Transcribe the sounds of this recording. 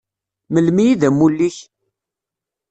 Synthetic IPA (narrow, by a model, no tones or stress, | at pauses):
məlmijiðæmːulːiç